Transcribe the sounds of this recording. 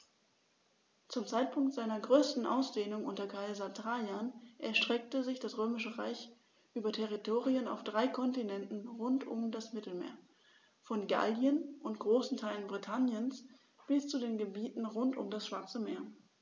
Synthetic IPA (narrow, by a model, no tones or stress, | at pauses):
t͡sʊmt͡saɪt̚pʰʊŋktz̥aɪnɐɡʁøːstn̩ʔa̰ʊsd̥eːnʊŋʔʊntɐkʰaɪzɐtʁaanʔɛɐʃtʁ̥ɛk̚təzɪçd̥asʁøːmɪʃəʁa̰ɪç | ʔyːbɐtʰɛʁitʰoːʁiəna̰ʊfd̥ʁaɪkʰɔntinɛntn̩ʁʊntʊ̰mdasmɪtl̩mḛːɐ | fɔnɡa̰ldiənʔʊntɡ̥ʁoːsn̩tʰaɪlənbʁitʰanjəns | b̥ɪst͡sudeːnɡəbiːtn̩ʁʊntʊ̰mdasʃv̥aɐt͡səmeːɐ